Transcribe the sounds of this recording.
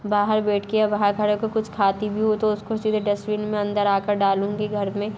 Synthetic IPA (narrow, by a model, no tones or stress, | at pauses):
baːɦəɾbɛːʈʰkeabaːɦəɾkʰɐɽekokʊt͡ʃʰkʰaːt̪ibʱiɦot̪oʊskosiːd̪ʱɖɐswiːnmẽɐ̃nd̪əɾaːkəɾɖaːlũːɡiɡʱɐɾmẽ